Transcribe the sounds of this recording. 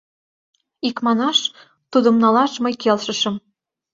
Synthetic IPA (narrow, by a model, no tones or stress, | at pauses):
ikmɑnɑʃ | t̪ud̪ə̆mnɑlɑʃmɤjkelʃə̆ʃɤ̆m